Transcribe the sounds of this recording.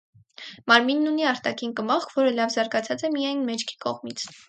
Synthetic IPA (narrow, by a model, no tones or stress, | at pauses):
mɑɾminːuniɑɾt̪ɑkʰinkəmɑχkʰvɔɾəlɑvzɑɾɡɑt͡sʰɑt͡sɛmijɑjnmɛt͡ʃʰkʰi̥kɔ̰ʁmit͡sʰ